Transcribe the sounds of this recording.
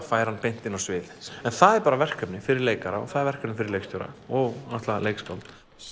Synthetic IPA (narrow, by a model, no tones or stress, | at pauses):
faːjɾ̥hanpejn̥t̪ɪnːawsvɪðɛnθaðɛɾpaːɾavɛr̥kœpnɪfɪɾɪɾleːjkaɾa̰ɔ̰ɣθaðɛɾvɛr̥kœpnɪfɪɾɪɾlejkst̪ʰʏɾa̰ɔɣnaht̪laaleːjkspawlt̪